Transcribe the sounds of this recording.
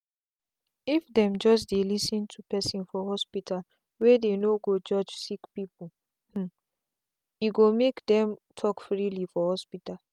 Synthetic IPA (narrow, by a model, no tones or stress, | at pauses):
ifdɛ̃md͡ʒɔs̬delisĩntʰupɛsĩnfɔhɔspital | wɛdenoɡod͡ʒɔd͡ʒsikpipu | h̩ | jiɡomekdɛ̃mtʰɔkfɹilifɔhɔspital